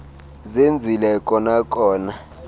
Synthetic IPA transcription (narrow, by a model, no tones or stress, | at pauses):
zend͡zʱilɛkʼɔnakʼɔːna